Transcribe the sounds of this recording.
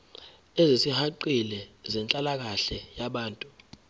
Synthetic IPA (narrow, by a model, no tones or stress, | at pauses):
ɛzisihaǃilɛzɛnt͡ɬʼalak̬aɬɛjaɓaːntʼu